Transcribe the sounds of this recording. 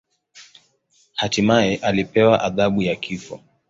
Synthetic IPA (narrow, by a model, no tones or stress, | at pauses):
hatimaɛʔalipɛwaʔaðaɓujakʰifɔ